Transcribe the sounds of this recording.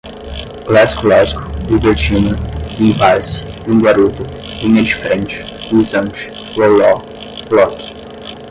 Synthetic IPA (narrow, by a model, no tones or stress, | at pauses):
lɛsklɔskʊ̥hibeɾt͡ʃĩnɐĩpaɾsũɡwaɾut̪ʊ | ĩɲɐ̃d͡ʒɪfɾẽnt͡ʃɪ̥ | izɐ̃nt͡ʃɪ̥ | lolɔ | blɔkɪ̥